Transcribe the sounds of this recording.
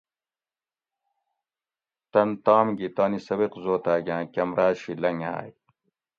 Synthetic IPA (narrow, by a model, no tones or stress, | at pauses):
t̪ɐnt̪aːmɡit̪aːnisɐbiqzoːt̪aːɡʲãːkɐmɾaːɕilɐŋa̰ːj